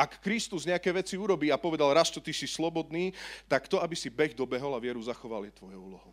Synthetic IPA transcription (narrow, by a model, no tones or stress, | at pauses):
ʔakːɾist̪uzɲɛakɛːʋɛt͡siuɾɔbiːapɔʋɛd̪alɾast͡ʃɔt̪isislɔbɔd̪niːt̪akt̪ɔabisibɛɣd̪ɔbɛɦɔlaʋɪɛɾuzaxɔʋa̰ljɛt̪ʋɔjɔuːlɔɦɔʊ